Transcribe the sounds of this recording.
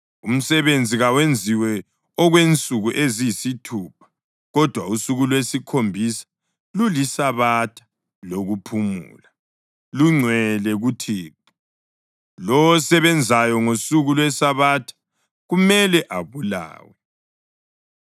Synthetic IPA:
um̩sɛβend͡zʱiɣawend͡zʱiwɛ | ɔɣwent͡sʼuɣuʔezijisitʰuːpʰḁ | ɣɔd̥ʱwausuɣulwesikʰombʱisḁ | lulisaβatʰḁ | loɣupʰumṵːla | luŋ͡ǀʱwɛlɛɣutʰiːp̚ʰu̥ | lɔwɔsɛβɛnd͡zʱajɔŋosuɣulwesaβatʰḁ | ɣumɛlɛʔaβula̰ːwɛ

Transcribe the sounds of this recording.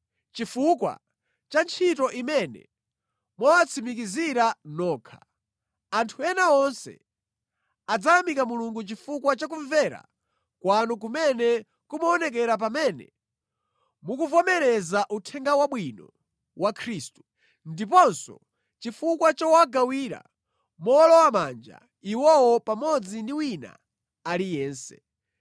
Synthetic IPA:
t͡ʃifukwa̰ | t͡ʃant͡ʃʰitɔʔimɛnɛ̰ | mwawat͡sʰimikiziɾanɔːkʰa | antʰuɛnaɔnsɛ̰ | ad͡zajamikamuluŋɡut͡ʃifukwat͡ʃak̬uɱvɛɾa̰ | kwanuk̬umɛnɛ | kumɔːnɛkɛɾap̬amɛnɛ̰ | mukuvɔmɛɾɛzaʔutʰɛŋɡawaɓwinɔ | wakʰɾiːstu̥ | ndip̬ɔnsɔ̰ | t͡ʃifukwat͡ʃɔwaɡawiːɾa̰ | mɔlɔwamand͡ʒa̰ | iwɔwɔpamɔd͡zindiwina̰ | alijɛːnsɛ̥̰

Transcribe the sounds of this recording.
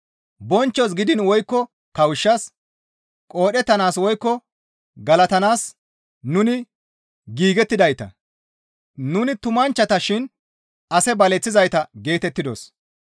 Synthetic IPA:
bɔnt͡ʃːɔs̬ɡɪd̪ɪnwɔjkːɔ | kɐwɪʃːɐs | kʼoːɗɛt̪ːɐnaːswɔjkːɔ | ɡɐlɐt̪ɐnaːs | nʊnɪ | ɡiːɡɛt̪ːɪd̪ɐjt̪ɐ̰ | nʊnɪt̪ʊmɐnt͡ʃːɐt̪ɐʃɪn | ɐsɛbɐlɛt͡sːɪzɐjt̪ɐɡe̞ːt̪ɛt̪ːɪd̪os

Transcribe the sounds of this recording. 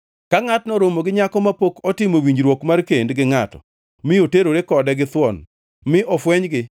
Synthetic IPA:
kaŋatnɔɾomoɡɪɲakɔmapokɔtɪmowiɲd͡ʒɾwokmarkendɡɪŋatɔ̰ | mɪjoteɾoɾekɔdɛɡɪt̪wɔn | mɪʔɔfwɛɲɡɪ

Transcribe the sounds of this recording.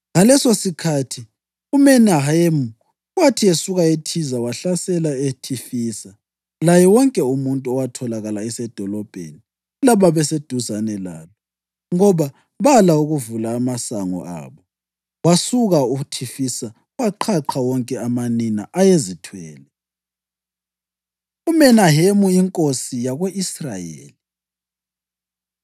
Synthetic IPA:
ŋalɛsosikʰatʰi | umɛnaɦaemu | watʰiesuɣaetʰizawaɬasɛlaetʰifiːsa | lajɛwɔŋkʼɛumuntʼuɔwatʰɔlaɣalaɛsɛd̥ʱɔlɔb̥ʱḛni | laβaβɛsed̥ʱuzanɛla̰ːlɔ | ŋɔβa | βalauɣuvulaːmasaŋɔ̰a̰ːβɔ | wasuɣauɣutʰifisa | waǃʰaǃʰawɔŋkʼɛamanina̰ʔajezitʰwɛːlɛ | umɛnaɦemuiŋkʼosijaɣweʔisra̰jḛːli

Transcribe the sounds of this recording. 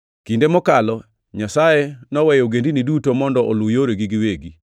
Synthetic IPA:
kindemɔkalɔ | ɲasajenɔwɛjoɡendinidutomɔndɔʔolʊjoɾeɡiɡiweɡi

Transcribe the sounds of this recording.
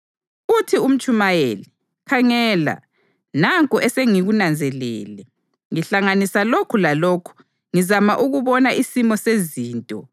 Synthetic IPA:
utʰium̩t͡ʃʼumajḛli | kʰaŋɛːla̰ | naŋkʼuʔɛseŋiɣunand͡zʱɛlɛ̰ːlɛ | ŋiɬaŋanisalokʰulaloːkʰu̥ | ŋizamaʔuɣuβɔnaʔisimɔseziːntʼɔ

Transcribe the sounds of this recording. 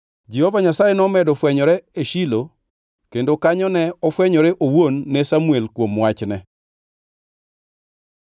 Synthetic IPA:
d͡ʒehovaɲasajenɔmɛdɔfwɛɲɔɾɛeʃilo | kendokaɲɔnɛɔfwɛɲɔɾɛʔowonːɛsamuelkwomwat͡ʃnɛ

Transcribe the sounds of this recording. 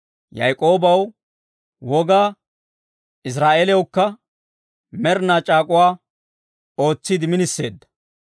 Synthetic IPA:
jɐ̰jkʼo̞ːbɐw | wɔɡaː | ɪs̬ɾaːʔeːlɛwkːɐ | mɛɾnaːt͡ʃʼaːkʼʊwaː | o̞ːt͡sːɪd̪ɪmɪnɪsːe̞ːd̪ːɐ̥

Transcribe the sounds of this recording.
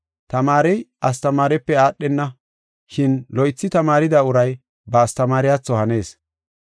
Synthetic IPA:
t̪ɐmaːɾɛjʔɐst̪ɐmaːɾɛpːɛaːɗːɛnːɐ | ʃɪnlɔjt͡sːɪt̪ɐmaːɾɪd̪aːʊɾɐj | bɐːst̪ɐmaːɾɪjat͡sːɔhɐne̞ːs

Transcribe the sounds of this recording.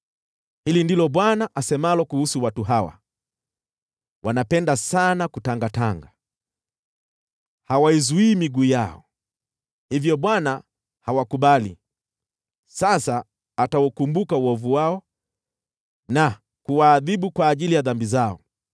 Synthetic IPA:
hilindilɔɓwanaʔasɛmalɔkuhusuwatuɦawa̰ | wʔanapɛndasanakutaŋɡataŋɡa | hawaizuiːmiɡuːjaɔ̰ | hivjɔɓwana | hawakuɓalḭ | sasaː | tawukumbukauɔvuwaɔ | na | kuwaːðiɓukwaːʄilijaðambizaɔ̰

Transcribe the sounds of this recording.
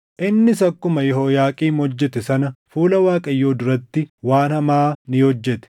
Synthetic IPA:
ʔɪnːɪsɐkːʊmɐjɛɦo̞ːjaːkʼiːmɔd͡ʒːɛt̪ɛsɐnɐfuːlɐwaːkʼɐjːo̞ːd̪ʊɾɐt̪ːɪwaːnhɐmaːnɪhɔd͡ʒːɛt̪ɛ̥

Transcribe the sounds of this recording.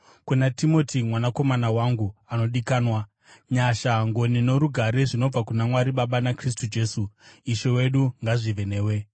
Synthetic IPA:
kunatimo̞tʰimwanako̞manawaŋɡuano̞ɗikaːnwa | ɲaʃaŋɡo̞nino̞ɾuɡʱaɾeʐino̞b͡vakunamwaɾiɓaɓanakris̬tud͡ʒe̞ːsuiʃowe̞ɗuŋɡaʐiʋe̞ne̞ːwe̞

